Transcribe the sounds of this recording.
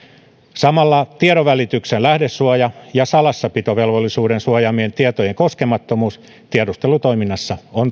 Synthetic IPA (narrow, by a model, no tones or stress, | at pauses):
sɑmɑlːɑt̪ieɾoʋælit̪yksenlæhdesːuɑjɑjɑsɑlɑsːɑpit̪oʋe̞lʋolːisuːdensuɑjɑmient̪iet̪ojeŋkoskemɑt̪ːomuːs | t̪iedust̪elut̪ojminːɑsːɑon